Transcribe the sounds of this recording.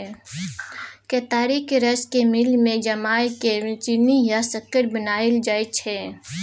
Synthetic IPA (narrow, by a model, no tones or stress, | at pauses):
ket̪aːɾikɾəskemɪlmẽd͡ʒɐmaːket͡ʃɪnijasəkːəɾbənaːɪld͡ʒaːet͡ʃʰɛː